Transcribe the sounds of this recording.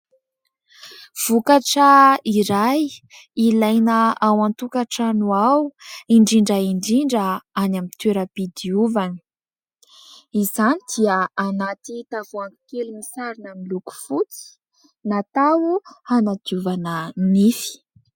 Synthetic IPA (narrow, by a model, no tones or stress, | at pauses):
v̥ukaʈ͡ʂəiɾaj | ilajnəawant̪ukaʈ͡ʂanuawiɳɖ͡ʐiɳɖ͡ʐəiɳɖ͡ʐiɳɖ͡ʐəanamit̪eɾəpid̪iuvanə̥ | izanid̪̥iəanat̪it̪avuaŋi̥kelumisaɾinamiluku̥fut͡si̥ | nat̪awuhanad̪iuvanənifi̥